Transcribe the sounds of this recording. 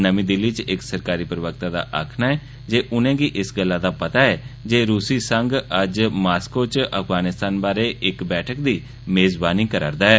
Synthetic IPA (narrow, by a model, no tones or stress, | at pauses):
nəmĩːd̪ɪlːiːt͡ʃɪksəɾkaːɾiːpɾəʋək̚t̪aːd̪a̰ːʔa̰ːkʰnaːɛː | d͡ʒeːʔʊnẽːɡiːʔɪsɡəlːãːd̪aːpət̪aːɛːd͡ʒeːɾuːsiːsəŋɡəd͡ʒmaːskoːt͡ʃəpʰɡaːnɪst̪aːnbaːɾeːɪkbɛːʈʰəkd̪iː | meːzbaːniːkəɾa̰ːɾd̪aːɛː